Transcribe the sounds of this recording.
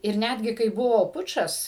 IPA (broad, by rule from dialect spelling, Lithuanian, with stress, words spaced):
ɪr ˈnʲædʲɡʲɪ kɐɪ ˈbʊʋoː ˈpʊt͡ʃɐs